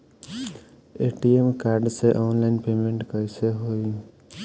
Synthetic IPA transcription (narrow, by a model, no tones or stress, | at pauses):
eʈiemkaɾɖseʔɔːnlaɪnpemẽɳʈkəjseɦoi